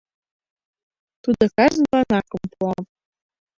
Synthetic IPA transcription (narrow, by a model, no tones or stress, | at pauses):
t̪ud̪ŏkɑʒənlɑnɑkɤ̆mpuɑm